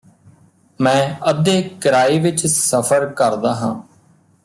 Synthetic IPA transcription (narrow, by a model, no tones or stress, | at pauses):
mɛ̃ːəd̪eːkəɾaːiːʋɪt͡ʃsəpʰəɾkəɾd̪aːɦã̰ː